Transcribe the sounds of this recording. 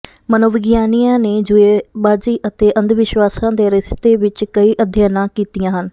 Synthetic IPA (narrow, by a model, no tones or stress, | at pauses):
mənoːʋɪɡjaːnijãːneːd͡ʒʊeːbaːziːʔət̪eːʔənd̪ʋɪʃʋaːsãːd̪eːɾɪst̪eːʋɪt͡ʃkəiːʔəd̪ʱjaːnãːkiːt̪ijãːɦən